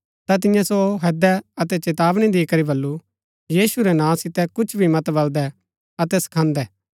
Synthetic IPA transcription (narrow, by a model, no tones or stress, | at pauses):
t̪at̪̬ɪjãsoɦɛːd̪ɛɐt̪ɛt͡ʃet̪aːʋɽ̃id̪iːkɐɾibɐlːu | jiːsuɾɛnãːsɪt̪ɛkʊt͡ʃʰbʱimɐt̪bɐld̪ɛ | ɐt̪ɛsɐ̥kʰãːnd̪ɛː